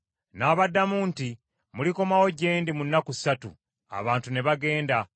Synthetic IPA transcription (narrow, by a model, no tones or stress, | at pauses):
naːβadːamuːnti | muliko̞mawo̞ɟe̞ːndimunːakui̥satṵ | a̰βaːntune̞βaɡe̞ːnda